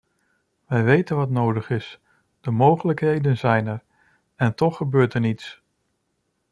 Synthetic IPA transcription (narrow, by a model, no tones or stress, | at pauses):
ʋɛjʋejtənʋɑtnowdəχɪs | d̥əmowχələkɦejdənzɛjnɛɹ | ɛntɔχːəbøːɹtɛɹnits